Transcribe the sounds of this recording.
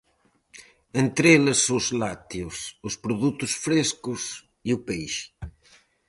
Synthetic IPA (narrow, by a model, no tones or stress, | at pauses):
ẽnt̪ɾelɪszlat̪iʊsʊspɾuðut̪ʊsfɾeskʊs | iʊpejʃ